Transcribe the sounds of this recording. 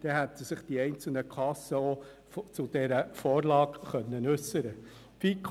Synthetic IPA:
d̪̥ɛɦæt̪əsɪχd̥̪iɛɪnt͡sl̩nəkʰɑsːəɔ | ft͡sʊd̥̪ɛɾəfɔːrlɑːɡχœnːənʉsːəɾə | fik

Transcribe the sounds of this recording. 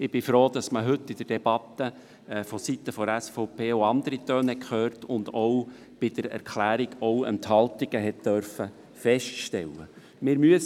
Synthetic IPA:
ɪb̥ɪfɾoːd̪ɑsməɦɵt̪ːɪd̥ərd̥ɛb̥ɑt̪ːə | fɔsit̪ːəfɔæsfɔʊpʰeːoɑnd̪əɾit̪øːnɛkχøːrtʊnd̪ɔw | b̥ɪd̥əɾɛ̰ɾkʰlæːɾiɡɔwə̰nt̪hɑlt̪ɪɡ̥əɦɛt̚d̥œɾfə | fɛʃtʃtɛlːə̰ | mɪːɾmyəs

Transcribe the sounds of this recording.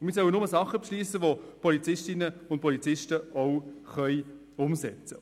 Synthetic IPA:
ʊnmiːsœwənʊməsɑχːəpʃliːsəʋopʰɔlit͡sɪʃtɪnəʊnt̚pʰɔlit͡sɪʃtəɔʊχœj | ʊmsɛ̰t͡sə

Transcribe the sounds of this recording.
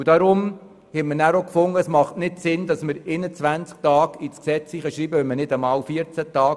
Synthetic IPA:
ud̥ɑɾʊm | hɛtmənæɾokfʊŋːəsmɑχtnɪtsɪndɑsməɾenət͡sʋænt͡sk̚tɑːɡit͡sksɛt͡shiχəʃɾiːbəʋœmənɪdəmɑːlfiəɾt͡sætɑːɡ

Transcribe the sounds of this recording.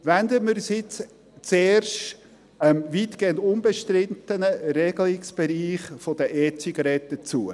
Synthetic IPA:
ʋændəmɪɾsjɪt͡s | t͡seːrʃt | ɛmviːtɡ̥eːəndʊmbəʃtɾɪntənəɾɛɡlɪksb̥ɛɾiːχfod̥əʔɛt͡siɡɑɾɛt̪ːət͡suə

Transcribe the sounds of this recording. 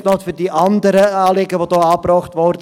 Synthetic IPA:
nɑtfyːrdiʔɑndəɾəɑːleɡəʋoːdɑːɑːbrɑːχtʋɔrd

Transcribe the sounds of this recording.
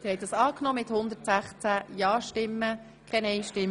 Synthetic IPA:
ɪɾhɛjt̚d̥ɑsɑːknɔːmɪt̪hʊnd̪ətsæχt͡sæjɑːʃtɪmːə | kʰɛnɛjʃtɪm

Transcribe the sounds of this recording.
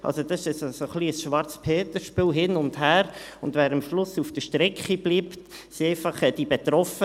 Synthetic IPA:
ʔɑ̰lsod̥̪ɑsɪʃɛssoχliəsʃʋɑɾt͡spʰeːt̪əʃpɪːlɦɪnʊndhæːɾʊndʋɛːɾəmʃlʊsufd̥əʃtɾɛkχib̥liːptsiɛɪfɑχɛd̥ibet̪ɾɔfə

